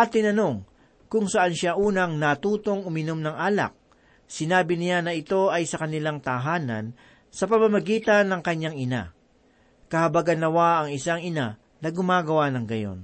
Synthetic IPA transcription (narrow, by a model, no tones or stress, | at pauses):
ʔɐt̪ːɪnɐno̞ŋ | kʊŋsɐʔanʃaʔuːnɐŋnɐt̪uːt̪o̞ŋʊmɪno̞mnɐŋʔaːlɐ̰k̚ | sɪnaːbɪnɪjanɐʔɪt̪o̞ʔɐjsɐkɐnɪlaŋt̪ɐɦaːnɐ̰n | sɐpɐmɐmɐɡiːt̪ɐnːɐŋkɐɲːaŋɪna̰ | kɐhɐbaɡɐnlɐwaʔɐŋɪsaŋɪna | nɐɡʊmaːɡɐwanɐŋɡɐjo̞̰n